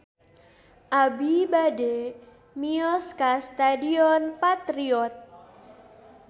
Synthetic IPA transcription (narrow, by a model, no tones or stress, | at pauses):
ʔabibade | miɔskast̪adiɔnpat̪ɾiɔt̪̚